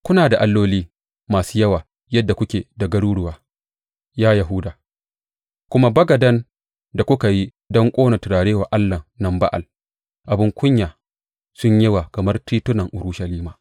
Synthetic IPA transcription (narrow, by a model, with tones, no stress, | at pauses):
kʷʊ˦naː˨da˨ʔa˦lːoː˦liː˦ | maː˨suː˦jɐ˦waː˨ | jɐ˦dːa˨kʷʊ˦kʲeː˨da˨ɡɐ˦ɽuː˦ɽʊ˨waː˨ | jaː˦ja˨ɦʊ˦daː˨ | kʷʊ˦ma˦bɐ˦ɡɐ˨dɐ˦n | da˨kʷʊ˦ka˨ji˦ | dɔ˦ŋkʷʼoː˦na˨tʊ˨ɽaː˨ɽeː˦wa˨ʔa˦lːɐ˨nɐ˨mba̰˦ʔa̰˨l | ʔa˨bɪ˦ŋkʷʊ˦ɲjaː˨ | sʊ˦ɲje˦wa˨kɐ˨mɐ˦rtiː˦tʊ˦nɐ˨ŋʔʊ˨ɾʊ˦ʃɐ˨liː˦maː˨